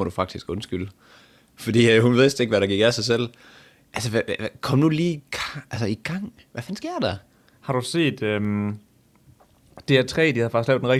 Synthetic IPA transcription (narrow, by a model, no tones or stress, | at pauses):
ɒɾ̥ufɑ̈ɡ̥̚d̥isɡ̥ɔ̽nsɡ̥yl̰ | fɒd̥ḭːhunʋe̝ðˠsde̝ɡ̥ʋæɾɑ̈ɡ̥iɡ̥æsɑ̈ɪsel̰ | ʔælsəʋkʰɒ̽m̰nuliːɡ̥ɑælsəiɡ̥ɑ̈ŋ̰ | ʋæfænsɡ̥e̝ɐ̰d̥ɑ | hɑ̈ɾ̥use̝̰ːd̥øm | e̝æt͡sʰʁɛ̰ːd̥ihæðˠfɑ̈ɡ̥sɡ̥lɛʊd̥enʁɡ̚